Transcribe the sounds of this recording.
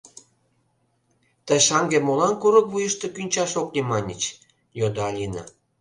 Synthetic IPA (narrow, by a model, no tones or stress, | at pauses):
t̪ə̆ʃɑŋɡemolɑnkuɾɤ̆kβujəʃt̪ĕkynʲt͡ɕɑʃoklʲimɑnʲət͡ɕ | jod̪oɑlʲinɑ̰